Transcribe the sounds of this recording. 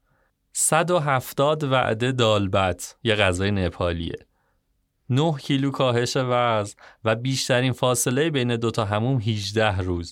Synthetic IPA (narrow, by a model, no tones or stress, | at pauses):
sæd̪o̞ɦæft̪ɒːd̪væ̰ʔd̪e̞d̪ɒːlbæt̪ʰjeɣæzɒːjenepʰɒːlḭḛ | nohcʰiːluːkʰɒːɦe̞ʃe̞væzvæbiːʃt̪ʰæɾiːnfɒːse̞le̞jebejne̞d̪o̞t̪ʰɒːɦæmuːmɦiːd͡ʒd̪æhruːz̥